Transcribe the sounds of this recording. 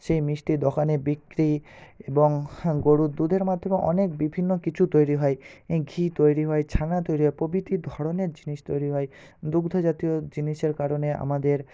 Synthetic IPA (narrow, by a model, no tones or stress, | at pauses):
ʃejmɾiʃʈid̪ɔxʰanebikɾieboŋɡoɽud̪ud̪ʱeɾmad̪ʱːomeʔɔ̰nek̚bibʱinːokit͡ɕʰut̪ojɾiɦɔjɡʱit̪ojɾiɦɔjt͡ɕʰanat̪ojɾiɦɔjpobit̪id̪ʱɔɽoneɾd͡ʑiniʃt̪ojɾiɦɔj | d̪uɡd̪ʱod͡ʑat̪iod͡ʑiniʃeɾkaɾonea̰mad̪eɾ